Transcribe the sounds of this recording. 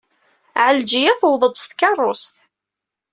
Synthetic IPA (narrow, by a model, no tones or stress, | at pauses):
ʕəld͡ʒijæθwðˤəd̪ˤst̪kɑrˤːost̪